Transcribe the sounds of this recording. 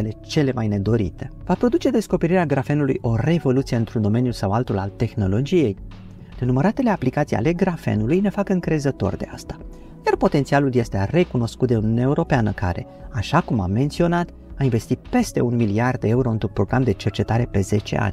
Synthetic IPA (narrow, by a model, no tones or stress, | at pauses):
ele̞t͡ʃe̞le̞majne̞d̪o̞ɾḭt̪e̞vapɾo̞d̪ut͡ʃe̞d̪e̞sko̞pe̞ɾiɾeaɡɾafe̞nulujʔo̞re̞vo̞lut̪sije̞ɨnt̪ɾund̪o̞me̞njusawalt̪ula̰lt̪e̞xno̞lo̞d͡ʒije̞j | nenuməɾat̪e̞le̞aplikat̪sija̰le̞ɡɾafḛnulujne̞fakɨŋkɾe̞zət̪o̞̰rd̪e̞̰a̰st̪ḁ | jarpo̞t̪ent̪sialulje̞st̪ere̞kuno̞skut̪̚d̪e̞unʲunaeuɾo̞peanəka̰ɾe̞̰ | aʃakuma̰mːe̞nt̪sio̞nat̪ | ainve̞st̪it̪̚pe̞st̪e̞̰unmiliard̪̚d̪e̞euɾoɨnt̪ɾunpɾo̞ɡɾamd̪e̞t͡ʃe̞rt͡ʃe̞t̪aɾe̞pe̞ze̞t͡ʃe̞̰ʔa̰nʲ